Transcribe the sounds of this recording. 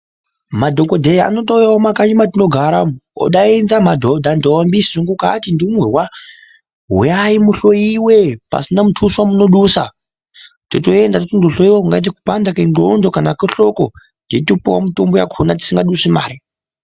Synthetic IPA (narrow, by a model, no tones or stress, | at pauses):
madʱokodʱejaa̰notoujaomakaɲimat̬ino̞ɡʱaɾamo̰ɗainzamadʱodʱandombisiʐiŋɡukatindimurwa | ɦṵjaimuɬojiwepa̰sinamutʰuswamunoɗusa̰ | totoendatotondoɬoiwauŋɡait̬aku̥pandakenɡondokanakeɬoko̰ | nditopowa̰mitomboja̰kʰonat̬i̥siŋɡaɗuʂema̰ːɾi